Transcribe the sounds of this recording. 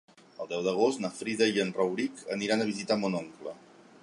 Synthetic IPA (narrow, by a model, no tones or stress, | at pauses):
əlˠd̪ɛwd̪əɣ̞ost̪nəfɾiðəiənrəwɾikʰəniɾanəβ̞izit̪amonoŋklə